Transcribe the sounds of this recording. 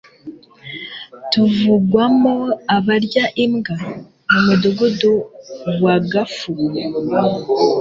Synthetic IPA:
tuvuɡwamoaβaɾɟaʔimɡa | mumuduɡuduwaɡafu

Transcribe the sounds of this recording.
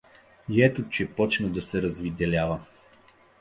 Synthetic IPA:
iɛt̪ʊt͡ʃɛpɔt͡ʃnəd̪ɐsɛɾɐzvid̪ɛlʲavə

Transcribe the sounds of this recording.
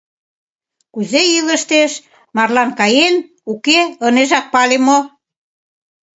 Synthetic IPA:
kuzeiləʃt̪eʃ | mɑrlɑnkɑjen | ukeəneʒɑk̪̚pɑlemo

